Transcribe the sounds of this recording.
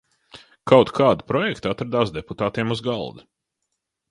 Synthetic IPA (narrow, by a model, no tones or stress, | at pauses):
kʰawt̪kʰaːd̪i̥pɾɔjɛkt̪at̪ɾad̪aːsd̪eput̪aːt̪iɛmuzɡa̰lˠd̪u